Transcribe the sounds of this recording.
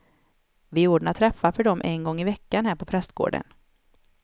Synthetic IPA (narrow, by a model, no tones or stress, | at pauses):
vɪuːɖɳat̪ʰɾɛfːafœɖɔmʔɛnɡɔŋːɪvɛkːanɦæːɾpɔpʰɾɛst̪ɡo̰ːɖə̰n